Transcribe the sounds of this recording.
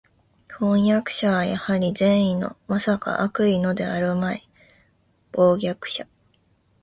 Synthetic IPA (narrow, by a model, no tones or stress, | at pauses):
hõ̞ɰ̃jakɯ̟̥ɕaβajahaɾʲizẽ̞ɰ̃ino̞̰masaka̰ʔakɯ̟ino̞d̪e̞aɾɯ̟mai | b̥o̞ːɡʲakɯ̟̥ɕa